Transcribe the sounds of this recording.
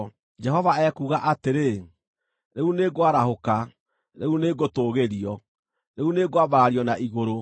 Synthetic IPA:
d͡ʒɛɦɔvaɛkuːɣaʔateɾe | ɾeuneɡoaɾahoka | ɾeuneɡotoːɣeɾiɔ | ɾeuneɡoabaɾaɾiɔnaʔiɣoɾo

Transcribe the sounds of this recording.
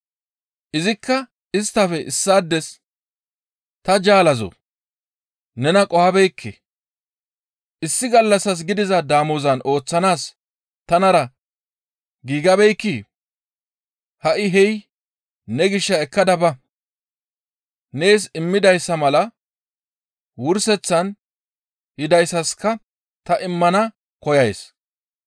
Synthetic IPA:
ʔɪzɪkːɐ | ɪst̪ːɐfɛʔɪsːaːd̪ːɛs | t̪ɐd͡ʒaːlɐzo̰ | nɛnɐkʼɔhɐbɛjkʰːḛ | ʔɪsːɪɡɐlːɐsɐs̬ɡɪd̪ɪzɐd̪aːmʊzɐnʔo̞ːt͡sːɐnaːs | t̪ɐnɐɾɐ | ɡiːɡɐbɛjkːiː | hɐʔɪɦɛj | nɛɡɪʃːɐɛkːɐd̪ɐbɐ | ne̞ːs̬ɪmːɪd̪ɐjsːɐmɐlɐ | wʊɾsɛt͡sːɐn | hɪd̪ɐjsːɐskːɐ | t̪ɐʔɪmːɐnɐ | kɔjɐjs

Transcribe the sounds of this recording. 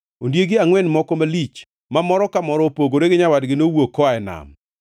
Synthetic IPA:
ondjeɡɪaŋwɛnmɔkɔmalit͡ʃ | mamɔɾɔkamɔɾɔpoɡoɾeɡɪɲawadɡɪnowokːɔaɛna̰m

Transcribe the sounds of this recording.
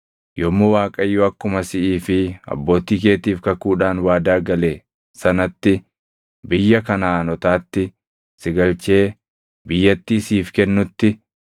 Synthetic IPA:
jɔmːowaːkʼɐjːʊɐkːʊmɐsɪʔiːfɪɐ̰bːo̞ːt̪iːke̞ːt̪iːfkɐkuːᶑaːnwaːd̪aːɡɐleː | sɐnɐt̪ːɪ | bɪjːɐkɐnaːnɔt̪aːt̪ːɪ | sɪɡɐlt͡ʃe̞ː | bɪjːɐt̪ːiːsiːfkɛnːʊt̪ːɪ

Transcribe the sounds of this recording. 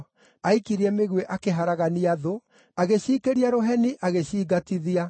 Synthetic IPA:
aikiɾiɛmeɣweʔakeɦaɾaɣaniaðo | aɣeɕiːkeɾiaɾoɦɛniʔaɣeɕiːɡatiðia

